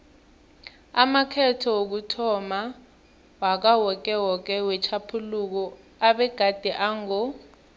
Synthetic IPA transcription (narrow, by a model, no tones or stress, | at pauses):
amakʰɛtʰɔwok̬utʰɔma | wak̬awɔk̬ʼɛwɔk̬ɛwɛt͡ʃʰapʰuluk̬ɔ | aɓɛɡ̥ʱad̥ʱiʔaŋɔ